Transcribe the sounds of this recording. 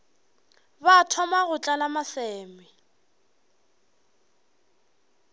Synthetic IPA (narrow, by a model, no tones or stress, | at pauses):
batʰɔmaɣʊt͡ɬʼalamasɛːmɪ